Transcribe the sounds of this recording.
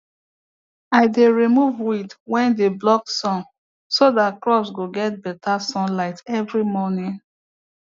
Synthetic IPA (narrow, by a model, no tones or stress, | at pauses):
aɪdeɹimuvwidwɛ̃ndeblɔk̚sɔ̃n | sodatkɹɔpsɡoɡɛt̚bɛtʰasɔ̃nlaɪtɛvɹimɔnĩn